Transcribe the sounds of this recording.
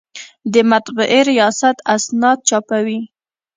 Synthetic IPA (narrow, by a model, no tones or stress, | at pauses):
d̪əmat̪bʊʔeɾijɑsat̪asnɑd̪̚t͡ʃɑpawi